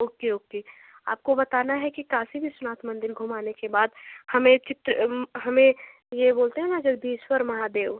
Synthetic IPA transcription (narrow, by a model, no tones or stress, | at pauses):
oːkeoːke | a̰ːp̚kobɐt̪aːnaɦɛkikaːsibʱisʊnaːt̪ʰmə̃nd̪ɪɾɡʱʊmaːnekebaːd̪hɐmẽt͡ʃɪt̪ɾəɦɐmẽ | jeboːlt̪eɦɛ̃nad͡ʒɐɡd̪iːʃwəɾmɐɦad̪eːʋ